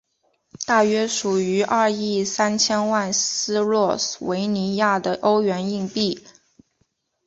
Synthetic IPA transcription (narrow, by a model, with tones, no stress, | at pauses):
t̪a˥˩ɥɛ˥ʂu˨˩y˧˥ʔɐ˞˥˧i˥˩sa˥nt͡ɕʰjɛ˥nwa˥˩nsɹ̩˥lwɔ˥˩swe˧˥ɪni˧˥ja˥˩d̪ə˩ʔo˥ʊɥɛ˧˥ni˥˧ŋpi˥˩